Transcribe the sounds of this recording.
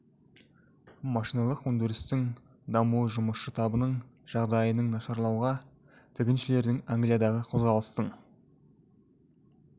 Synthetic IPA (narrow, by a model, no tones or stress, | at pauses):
mɑʃijnɑlˠəqwɵnd̪ɪɾɪst̪ɪŋ | d̪ɑmuəʒʊməʃʃət̪ʰɑbənəɴ | ʒ̥ɑʁd̪ɑjənəɴnɑʃɑɾlˠɑwʁɑ | t̪ʰɪkʲɪnʃɪle̞ɾd̪ɪŋaŋɡlijad̪ɑʁəqʰo̞zʁɑlˠəst̪əɴ